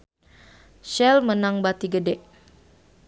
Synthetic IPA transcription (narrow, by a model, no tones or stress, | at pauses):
ʃɛlmənaŋbat̪iɡədɛʔ